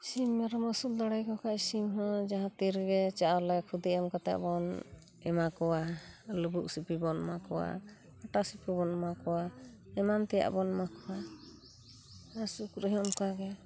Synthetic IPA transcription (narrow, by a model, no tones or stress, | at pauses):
simːɛɾɔmɔsuld̪ɔɽajkɔkʰaʔsimɦɔ̃d͡ʒaɦãt̪iɾɡɛt͡ʃaʔalɛkʰud̪iɛmkat̪ɛ̰ʔbɔn | ɛmakɔwaləbuʔsipibɔnmakɔwa̰ | aʈasipibɔnmakɔwaɛmant̪ɛja̰ʔbɔnmakɔwa | asukɾəɦmkaɡɛ